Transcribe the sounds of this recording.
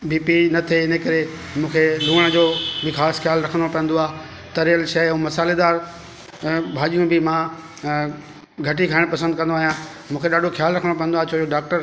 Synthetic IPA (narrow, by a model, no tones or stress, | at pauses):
biːpinɐt̪ʰeɪnəkɐɾemũːkʰeluːəɽ̃d͡ʑoːbɪxaːsxjaːlɾɐkʰə̃nd̪opɐ̃ɦə̃nd̪oaː | t̪ɐɾijəlʃɐũmɐsaːled̪aːɾ | bʱaːʄijũbʱɪmã | ɡʱɐʈikʰaːɪɽ̃pɐsə̃nd̪̚kɐ̃nd̪oaːɦijã | mũːkʰeɗaːɖʱoxʰjaːlɾɐkʰəɽ̃opɐ̃nd̪oaːt͡ɕʰoːoɖaːk̚ʈəɾ